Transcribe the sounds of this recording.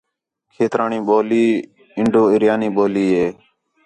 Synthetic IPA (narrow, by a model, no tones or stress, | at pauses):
kʰeːt̪ɾaːɳĩːɓoːliː | ɪɳɖoːɪɾjaːniːɓoːliːɦeː